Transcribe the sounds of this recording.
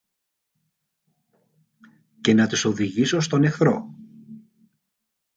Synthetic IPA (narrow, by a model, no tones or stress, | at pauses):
ce̞nɐt̪iso̞ðiʝisost̪o̞ne̞xθɾo̰